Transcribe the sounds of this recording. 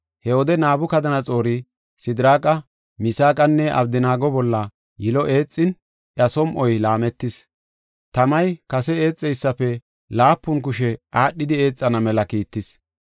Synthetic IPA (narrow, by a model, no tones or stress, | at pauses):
hɛwɔd̪ɛnaːbʊkɐd̪ɐnɐt͡sʼo̞ːɾɪ | sɪd̪ɪɾaːkʼɐ | mɪsaːkʼɐnːɛʔɐ̰b̚d̪ɪnaːɡɔbɔlːɐ | jɪlɔʔe̞ːt͡sʼːɪn | ʔɐsɔmʔɔjlaːmɛt̪ːɪs | t̪ɐmɐjkɐsɛe̞ːt͡sʼːɛjsːɐpːɛ | laːpːʊnk̬ʊʃɛaːɗːɪd̪ɪe̞ːt͡sʼːɐnɐmɛlɐkiːt̪ːɪs